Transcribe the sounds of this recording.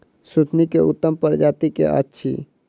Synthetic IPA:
sut̪ʰnikeʊt̪ːəmpəɾd͡ʒaːt̪ikḛʔə̰tːʃʰḭ

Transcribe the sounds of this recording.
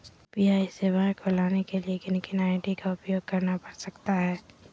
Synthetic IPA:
piaːiseːʋaẽkʰolaːnekeliekɪnkɪnaːɪʈikaʊpjoːɡ̚kɐɾnapɐɾsɐkt̪aɦɛː

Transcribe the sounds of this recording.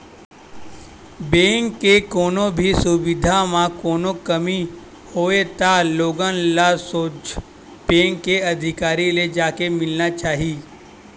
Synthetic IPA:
bẽːŋkːekoːnõbʱisʊbɪd̪ʱamãkoːnokɐmi | hoːet̪aloːɡənlasoːt͡ʃ | bẽːŋkːeɐd̪ʱɪkaːɾiled͡ʒaːkemɪlnat͡ʃaːɦiː

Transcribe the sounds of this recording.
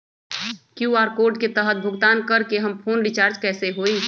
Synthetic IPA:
kjuaːɾkoɾɖket̪əɦət̪̚bʱʊɡt̪aːnkəɾkeɦəmpʰoːnɾit͡ʃaːɾd͡ʒkɛːseɦoi

